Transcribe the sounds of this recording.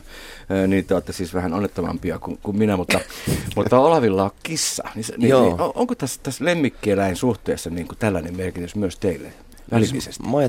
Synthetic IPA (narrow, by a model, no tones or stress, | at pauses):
øniːt̪ːeɑt̪ːɑsiːsʋæhænonːet̪ːomɑ̰mpiɑkunkumminæmut̪ːɑmut̪ːɑolɑʋilːɑokkisːɑ̰nisniooo̰ŋkot̪æsːt̪æslemːikːielæinsuht̪eːsːɑniːŋkut̪ælːænemmerkit̪ysmyøst̪eilːḛ | ʋæliḭsest̪o